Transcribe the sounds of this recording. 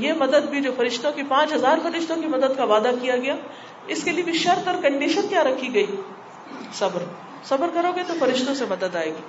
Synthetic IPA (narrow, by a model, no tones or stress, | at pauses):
jeːmɐd̪əd̪bʱid͡ʒoːfɐɾɪʃt̪õkipãːt͡ʃɦɐzaːɾfɐɾɪʃt̪õkimɐd̪əd̪kaʋaːd̪akijaɡɐjaː | ɪskeliebʱiʃɐɾt̪ɔɾkɐ̃ɳɖiːʃənkjaːɾɐkʰiɡɐiː | sɐbəɾ | sɐbəɾkɐɾoːɡet̪ofɐɾɪʃt̪õsemɐd̪əd̪aːeːɡiː